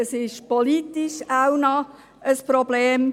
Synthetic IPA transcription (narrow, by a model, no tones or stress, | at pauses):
əsɪʃpoliːtiʃaʊnɔ | əsprobleːm